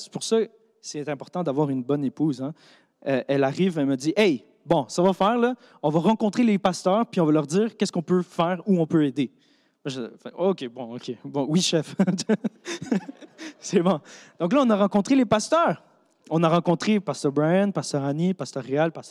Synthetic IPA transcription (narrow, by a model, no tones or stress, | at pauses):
se̥puʁsa | sɛt̪ɛ̃pɔʁt̪ɑ̃d̪avwɑːʁynbɔnepuːzɛ̃ | øʔɛlaʁiːvɛlməd͡z̪iʔɛj | bɔ̃savafɛːʁlʌ | ɔ̃vaʁɑ̃kɔ̃t̪χelepast̪œːʁpɥiɔ̃valœʁziːʁkʲɛskɔ̃pøfɛːʁuɔ̃pøed̪e | mʒfɛkokʲebɔ̃okʲʰebɔ̃wiʃɛf | sɛbɔ̃d̪̥ɔ̃klaɔ̃naʁɑ̃kɔ̃t̪χelepast̪œːʁ | ɔ̃naʁɑ̃kɔ̃t̪χepast̪œʁbʁaãnpast̪œʁanipast̪œʁːealpast̪